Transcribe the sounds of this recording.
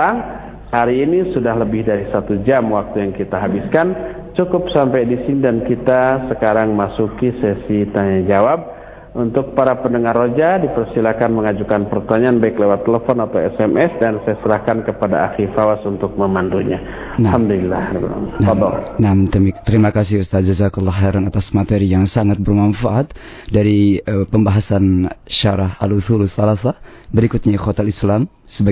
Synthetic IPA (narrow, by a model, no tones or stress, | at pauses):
aŋ | haɾiːnisudahləbɪhdaɾisat̪ud͡ʒamwak̚t̪ujaŋkit̪aɦabɪskan | t͡ʃukʊp̚sampajdisinidankit̪asəkaɾaŋmasukisɛsit̪aɲad͡ʒawab̚ | unt̪ʊk̚paɾapəndəŋarod͡ʒadipərsilakanməŋad͡ʒukanpərt̪aɲaanbaɪklewat̪ːeləfɔnat̪awɛsɛmʔɛsdansajasəɾahkankəpadaa̰xifawasunt̪ʊk̚məmanduɲa̰ | nahamdulilahɾibn̰naad̪ɔnamt̪t̪əɾimakas̬iust̪at̪̚d͡ʒəzakulːaɦɛɾanat̪asmat̪eɾijaŋsaŋat̪̚bərmanfaʔat̪̚daɾipəmbaɦasanʃaɾaɦaluθulusalasabəɾikut̪̚ɲakot̪ɛlislam | səba